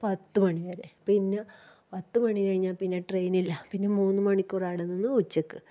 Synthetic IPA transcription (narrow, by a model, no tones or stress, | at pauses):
pɐt̪ːɨmɐɳiʋɐɾepinːe | pɐt̪ːɨmɐɳikɐɻiɲːaːlpinːeʈrejnilːɐpinːemuːnːɨmɐɳikʲːuraːɽenːinːɨut͡ɕːɐkːɨ